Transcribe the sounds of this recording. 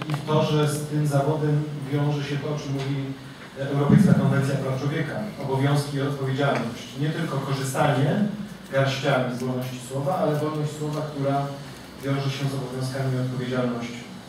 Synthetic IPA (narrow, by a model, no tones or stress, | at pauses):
it̪ɔʐɛst̪ɘmzavɔd̪ɛmvʲjɔ̃w̃ʐɛɕɛt̪ɔt͡ʂɘmːuvʲi | ɛwɾɔpɛjskakɔnvɛnt̪sjapɾaft͡ʂwɔvʲjɛkaɔbɔvʲjɔ̃w̃skʲiːɔt̪̚pɔvʲjed͡ʑalnɔɕt͡ɕɲɛt̪ɘlkɔkɔʐɘst̪aɲɛ | ɡaɾɕt͡ɕamizwɔnɔɕt͡ɕi̥swɔvaalɛvɔlnɔɕt͡ɕʲswɔvakt̪uɾa | vʲjɔ̃w̃ʐɛɕɛzɔbɔvʲjɔ̃skamʲiɔt̪̚pɔvʲjed͡ʑalnɔɕt͡ɕ